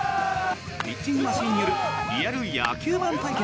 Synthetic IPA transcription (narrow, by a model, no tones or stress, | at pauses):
pʲit͡ɕːĩŋmaɕĩːɲːijo̞ɾɯ̟ɾʲijaɾɯja̰kʲʰɨːbãnt̪ajkʲe